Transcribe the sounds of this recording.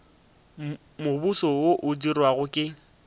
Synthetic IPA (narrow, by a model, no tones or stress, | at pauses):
mʊbusɔoʔʊdirwaɣʊkʼɪ